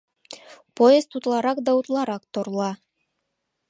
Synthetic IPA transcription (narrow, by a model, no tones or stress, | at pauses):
pojezt̪ut̪lˠɑɾɑq̚d̪ɑwut̪lˠɑɾɑqt̪ŏɾlˠɑ